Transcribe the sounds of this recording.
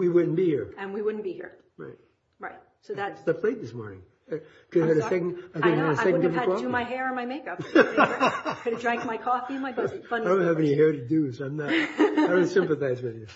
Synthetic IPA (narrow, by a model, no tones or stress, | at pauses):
wiwʊdⁿn̩b̥ihiɹɨ̃nwiwʊdⁿn̩b̥ihḭɹ | ɹa̰ɪt̚ | ɹaɪt̚ | soʊðæsðɨpʰleɪt̪̚ðɪsmɔ̰ɹnɪ̰̃ŋ | ɨ | kʰɨdɨɾɨsɛkn̩aɪkɨdnɨvɨsɛkwn̩dɪfʰɔɨmaɪɦɛɹə̃nmaɪmeɪkʌp | kɨɾɨdɹæ̃ŋk̚maɪkʰɔfiɨ̃nmaɪboaʌ̃ndõʊ̃nt̚hɨvɛnihɛɹɾɨdʉsãɪ̃mnədõʊ̃nsɪ̃mpɨθaɪzwɪðjɨ